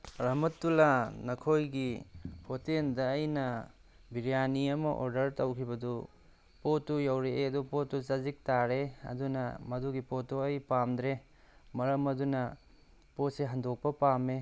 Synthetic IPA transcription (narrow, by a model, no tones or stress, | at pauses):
ɾɐmɐtːulanɐkʰojɡipʰotendɐːjnɐ | biɾijaniɐmɐʔo̰ɾdɐɾtɐwkʰibɐdu | potːujawɾeɐdupotːut͡ʃɐzik̚taɾeɐ̰dunɐ̰mɐduɡipotoɐjpamd̪ɾe | mɐɾɐmɐdunɐ | pot̚seɦɐndok̚pɐpame